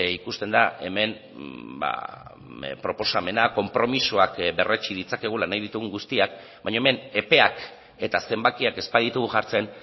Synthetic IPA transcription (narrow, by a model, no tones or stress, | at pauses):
ikust̪e̞nd̪ae̞me̞n | ba̰ | pɾo̞po̞same̞nako̞mpɾo̞misuakbe̞ret͡ʃið̞it͡sake̞ɣulanajðit̪uɣ̞uŋɡust̪iak̚ | baɲoeme̞ne̞pe̞ak | e̞t̪ase̞mbakiake̞spaðit̪uɣuʝaɾt͡se̞n